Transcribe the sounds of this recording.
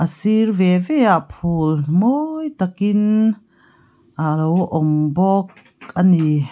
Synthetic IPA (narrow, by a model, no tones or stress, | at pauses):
ʔəsirvɛvɛaʔpʰulmojt̪akin | ʔalowʔɔmbɔk̚ | ani